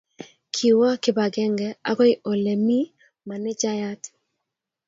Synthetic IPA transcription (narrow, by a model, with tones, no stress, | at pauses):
kʰi˨wa˦kɪ˦ba˨ɡɛ˦ŋɡɛ˨a˦ɡɔ˦ɪ˦ʔo˨le˨mi˦ | ma˨nɛ˦d͡ʒa˦ja˦t